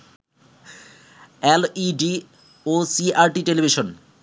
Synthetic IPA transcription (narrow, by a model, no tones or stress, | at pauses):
ɛliɖi | osiaɾʈiʈelibʱiʃon